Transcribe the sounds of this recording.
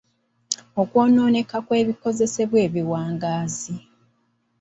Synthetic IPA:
o̞kwo̞ːno̞ːne̞kakwe̞ːβiko̞ze̞se̞βwe̞ːβiwaːŋɡaːzi

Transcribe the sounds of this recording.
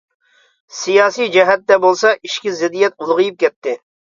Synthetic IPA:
sijɑːsijd͡ʒɛɦɛt̪ːɛbolˠsɑʔiʃkʲizɪd̪ijɛt̪̚ulˠʁɨjup̚kʲɛt̪ʰːɪ

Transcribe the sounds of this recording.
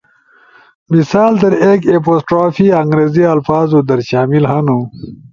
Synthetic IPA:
misaːld̪ɐɾeːkeposʈɾoːfiːɐŋɡɾeːziɐlfaːzud̪ɐɾɕaːmilɦɐnu

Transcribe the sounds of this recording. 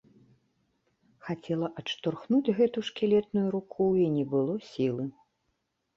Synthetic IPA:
xat͡sʲɛlˠɐʔɐʂt̪ɔrxnud͡zʲɣɛt̪uʂkʲilʲɛt̪nujuɾukʰuinʲɛbɨlˠɔsʲilˠɨ

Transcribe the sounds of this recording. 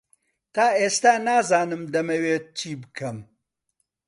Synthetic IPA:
t̪aːʔeːst̪aːnaːzaːnɨmd̪ɐmɐweːt̪̚t͡ʃʰiːbɨkʰɐm

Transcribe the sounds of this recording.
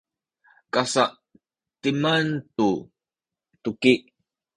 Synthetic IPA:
kasaʔ | timantu | tukiʔ

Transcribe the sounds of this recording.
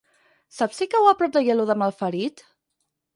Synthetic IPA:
sapsikəwapɾɔp̚d̪əjeluðəməlˠfəɾit̪

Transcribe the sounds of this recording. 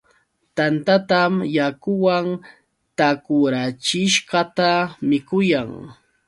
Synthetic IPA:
t̪ant̪at̪amjakʊwaŋ | t̪akʊɾat͡ʃɪʃɢɑt̪amɪkʊjaŋ

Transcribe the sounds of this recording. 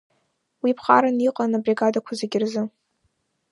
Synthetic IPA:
wipʰχaɾaniqʼanabrʲiɡadakʷʰazeɡʲɪrzɨ

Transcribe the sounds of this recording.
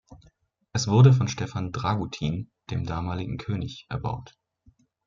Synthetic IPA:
ʔɛsv̥ʊɐdəf̬ɔnʃtɛfandʁaɡutʰiːnd̥eːmdaːmaːlɪɡŋ̩kʰøːnɪçʔɛɐba̰ʊt

